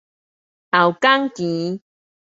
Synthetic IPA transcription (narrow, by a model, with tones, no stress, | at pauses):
ʔa˨˩wka˦ŋki˨˦